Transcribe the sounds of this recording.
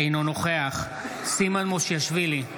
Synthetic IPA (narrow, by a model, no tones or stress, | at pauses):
inonoχeaχ | simanmoʃjaʃvili